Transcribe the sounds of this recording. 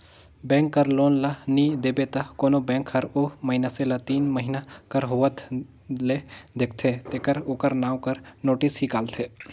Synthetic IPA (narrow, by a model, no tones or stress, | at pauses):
bɛ̃ːŋkːɐɾloːnlɐniːd̪eːbet̪ɐkoːnobɛ̃ːŋkhɐɾoːməɦɪnaselɐt̪iːnməɦɪnakɐɾɦoːʋət̪ʰ | led̪ek̚ʰt̪ʰet̪eːkɐɾoːkəɾnaːwkɐɾnoːʈɪsɦikaːlt̪ʰeː